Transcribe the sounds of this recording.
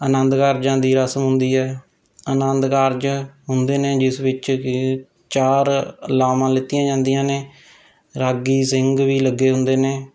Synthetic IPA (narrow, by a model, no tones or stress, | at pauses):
ənənd̪kaːɾd͡ʒãːd̪iːɾəsmɦʊ̃nd̪iːɦɛː | ənənd̪kaːɾd͡ʒɦʊnd̪eːneːd͡ʒɪsʋɪt͡ʃ | t͡ʃaːɾəlaːmãːlɪt̪ːɪjãːd͡ʒãːnd̪ijãːneː | ɾaːɡiːsɪŋɡʋiːləɡːeːɦʊnd̪eːneː